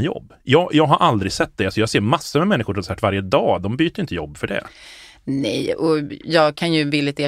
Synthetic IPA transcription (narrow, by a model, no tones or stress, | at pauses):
jɔ̰bːjɑːɡjɑːɡɦaɾʔald̪ɾɪɡsɛt̪̚ːd̪ɛasɔjɑːseːɾmasːəmɛmɛnːɪxʊɾɔnsæːʈ̪vaɾjəd̪ɑːd̪ɔmbyːt̪əɾjɪnt̪əjɔbːfœɖɛ̰ | nɛjɔjɑːɡkʰanjɵvɪlːɪt̪eː